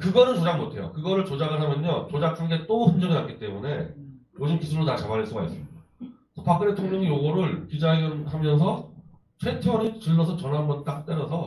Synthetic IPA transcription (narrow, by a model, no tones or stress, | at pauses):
kɯɡʌɾɯɭt͡ɕod͡ʑaŋmotʰe̞jo̰kɯɡʌɾɯɭt͡ɕod͡ʑaɡɯɭɦamjʌɲʌt͡ɕod͡ʑakʰanɡe̞t͈oɸɯnd͡ʑʌɡinat̚k͈it͈e̞mune̞jod͡ʑɯmkisʰuɭːonat͡ɕamaɾes͈oɡaɦis͈ɯmida | sʰʌpak͈ɯɾetʰoŋɲʌŋijoɡʌɾɯɭkid͡ʑaiɡɯnhamjʌns̬ʰʌ | t͡ɕʰwe̞tʰʌɾit͡ɕɯɭːʌs̬ʰʌt͡ɕʌnambʌnt͈ak̚t͈eɾʌsʰʌ